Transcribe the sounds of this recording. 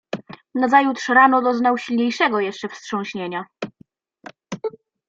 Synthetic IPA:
nazajut̪ʂɾanɔd̪ɔznawɕilɲejʂɛɡɔjɛʂt͡ʂɛfstʂɔ̃w̃ɕɲeɲa

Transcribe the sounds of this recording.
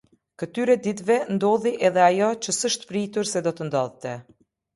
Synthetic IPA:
kət̪yɾɛd̪it̪vɛnd̪ɔðiʔɛðɛajɔt͡ɕəsəʃt̪pɾit̪uɾsɛd̪ɔt̪ənd̪ɔ̰ðt̪ɛ

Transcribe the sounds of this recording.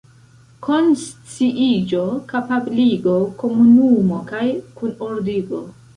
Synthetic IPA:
kʰonst͡siʔid͡ʒokapabliɡo̞ko̞munumo̞kajkunoɾdiɡo

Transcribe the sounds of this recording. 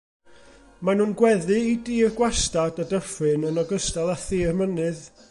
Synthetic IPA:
manuːnɡwɛðɨidiːrɡwastadadəfɨnənɔɡəstalˠaθiːrmənɨð

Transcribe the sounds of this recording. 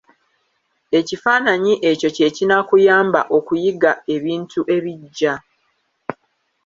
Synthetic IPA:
e̞cifaːnaɲiʔe̞co̞ce̞cinakujaːmba̰ʔo̞kujiɡae̞βiːntʰuʔe̞βiɟːa

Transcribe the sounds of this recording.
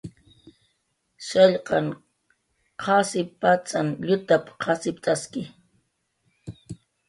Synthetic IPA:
ʃɑʎqɑŋ | qʰɑsɪpat͡sʼanʎʊt̪apqʰɑsɪpt̪ʼaskɪ

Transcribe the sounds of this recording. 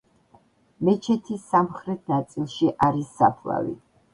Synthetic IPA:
mɛt͡ʃʰɛt̪ʰisːamχɾɛt̪ʰnat̪sʼilˠʃiʔaɾisːapʰla̰vḭ

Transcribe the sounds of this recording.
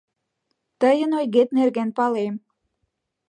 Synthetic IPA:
t̪əjənojɣet̪nerɡænpɑlem

